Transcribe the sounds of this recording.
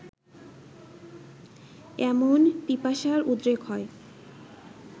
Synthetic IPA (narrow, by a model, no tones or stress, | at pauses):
ɛmonpipaʃaɾud̪ɾekɦɔe